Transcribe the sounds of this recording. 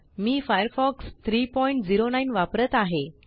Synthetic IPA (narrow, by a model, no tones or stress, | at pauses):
miːfajəɾfɔkst̪ʰɾiːpɔiɳʈd͡ziɾonajnʋapɾət̪aɦe